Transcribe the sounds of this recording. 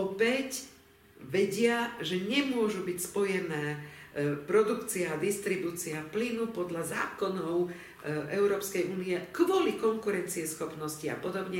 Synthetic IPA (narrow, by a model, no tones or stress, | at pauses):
ɔpɛc | ʋɛɟɪaʒɛɲɛmʊɔʒubicspɔjɛnɛː | pɾɔd̪ukt͡siaːd̪ist̪ɾibuːt͡siaplinupɔd̪ʎazaːkɔnɔʊ | ʔɛʊɾɔːpskɛjuːniɛkʋɔlikɔŋkuɾɛnt͡siɛsxɔpnɔscia̰pɔd̪ɔbɲɛ